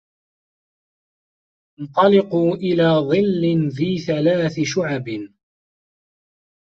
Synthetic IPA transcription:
nt̪ˤɑlɪquːʔɪlaːðˤɨlːɪnfiːθalaːθɪʃʊʕab

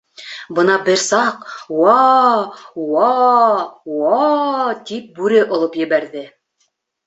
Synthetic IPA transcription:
bɤnɑbɘɾsɑqwɑ | wɑ | wɑt̪ip̚bʉɾɘʔŏlˠɤpjɘ̆βæɾðɘ

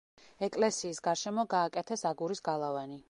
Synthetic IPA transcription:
ɛkʼlɛsiːsɡaɾʃɛmɔɡaːkʼɛt̪ʰɛsaɡuɾisɡalˠavani

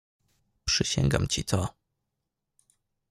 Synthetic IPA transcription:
pʂɘɕɛ̰ŋɡa̰mt͡ɕit̪ɔ

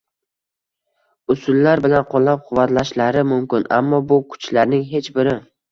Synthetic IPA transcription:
ʊsʊlːaɾbɪlanqʰolˠːap̚qʰʊvːat̪laʃlaɾɪmʊmkʲɪnʔa̰mːɒbʊkʰʊ̥t͡ʃlaɾnɪŋɦe̞t͡ʃbɪɾɪ

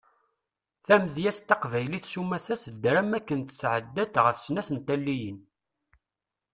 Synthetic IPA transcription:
θæmðjæst̪ːɑqvæjliθsumæθæsəd̪ːɾæmækːənt̪t͡sːʕəd̪ːæt̪ʁəfsnæθənt̪ælːijən

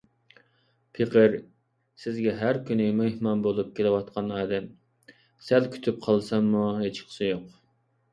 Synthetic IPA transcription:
pʰeqəɾ | sɪzɡʲɛɦæɾkʲynɪmehmɑnbolˠup̚kʲʰelɪwɑt̪̚qʰɑnɑːd̪ɛm | sælkʲʰy̥t̪ʰyp̚qʰɑlˠsɑmːuɦet͡ʃʰə̥χʰsɨjoq

